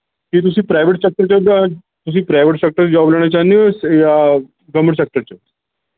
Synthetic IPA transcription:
kiːt̪̬usiːpɾajʋeʈsɐk̚ʈəɾt͡ɕad̪a | t̪us̬iːpɾajʋeʈsɐk̚ʈəɾd͡ʑɔblaɳ̃at͡ɕaniʋəsja | ɡəməʈsek̚ʈəɾt͡ɕa

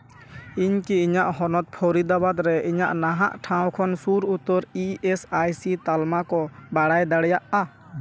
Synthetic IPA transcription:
iɲkiiɲaʔhɔnɔt̪̚pʰɔɾid̪abad̪ɾɛʔiɲaʔnaɦaʔʈʰãw̃kʰɔnsuɾut̪ɔɾiɛsajsit̪almakɔbaɽajd̪aɽɛjaʔa

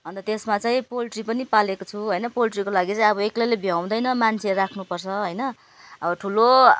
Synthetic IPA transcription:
ɦʌnd̪ʌt̪esmat͡saĩpolʈripʌnipalekot͡sʰuɦojnʌpolʈrikolaɡit͡saĩʌβʌeklʌlebʱijaw̃d̪ʌjnʌmant͡sʰerakʰnupʌrt͡sʰʌɦojnʌ | ʌbʌʈʰulo

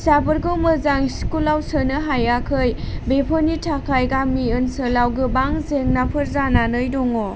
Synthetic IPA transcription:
sabɯɾɡɯwmɯzaŋiskulːawsənɯɦajakʰɯjbepʰɯnitʰakʰajɡamiɯnsəlawɡɯbaŋzeŋnapʰɯɾzananɯjdɔŋɔ

